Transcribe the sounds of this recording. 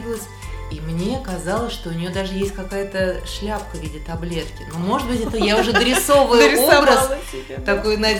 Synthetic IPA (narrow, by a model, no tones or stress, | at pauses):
bʲɪlˠəsʲ | imnʲe̞kɐzɑlˠəsʲʂt̪o̞ʊnʲɪjo̞d̪aʐɨjesʲtʲkɐkajət̪əʂlʲapkəvʲidʲɪt̪ɐblʲe̞t̪kʲɪnomo̞ʐɨt̪̚bɨtʲɛt̪əjaʊʐɛd̪ɾʲɪso̞vəjʊobɾəs | t̪ɐko̞jnɐ